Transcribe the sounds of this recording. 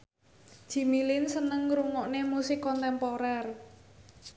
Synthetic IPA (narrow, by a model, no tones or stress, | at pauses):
ʒ̥i̤milɪnsənəŋɾuŋɔʔnemusɪkːɔnt̪ɛmpoɾɛr